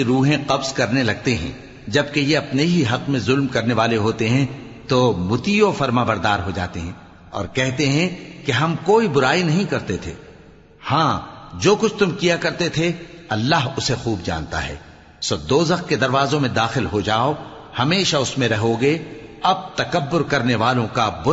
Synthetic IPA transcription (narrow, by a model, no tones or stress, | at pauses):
ɾuːɦẽqɐbzkɐɾnelɐɡ̚t̪eɦɛ̰̃ː | d͡ʒɐb̚kejeɐpneɦiɦɐqmẽzʊlmkɐɾneʋaːleɦoːt̪eɦɛ̃ | t̪oːmʊt̪iofɐɾmaːbɐɾd̪aːɾɦod͡ʒa̰ːt̪eɦɛ̃ː | ɔ̰ːɾkɛɦt̪eɦɛ̃keɦɐmkoːibʊɾaːinɐɦĩkɐɾt̪et̪ʰḛː | hãːd͡ʒoːkʊt͡ʃʰt̪ʊmkijakɐɾt̪et̪ʰeɐlːaːɦʊsexuːbd͡ʒa̰ːnt̪a̰ɦɛ̰ː | soːd̪oːzɐx̚ked̪ɐɾʋaːzõmẽd̪aːxɪlɦod͡ʒaːo | hɐmeːʃaʊsmẽɾɐɦoɡeɐb̚t̪ɐkɐbːʊɾkɐɾneʋaːlõkabʊ